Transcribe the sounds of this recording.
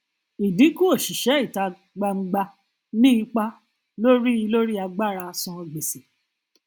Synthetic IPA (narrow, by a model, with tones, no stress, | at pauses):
i˨di˨˦ku˦o˦˨ʃi˨ʃɛ˨˦i˦˨ta˧ | ɡ͡ba˧ŋ͡m̩˧˦ɡ͡ba˧ | nĩ˦i˧k͡pa˦ | lo˦ɾi˦i˧lo˦ɾi˦a˧ɡ͡ba˦˨ɾa˧sɔ̃˧ɡ͡be˨si˨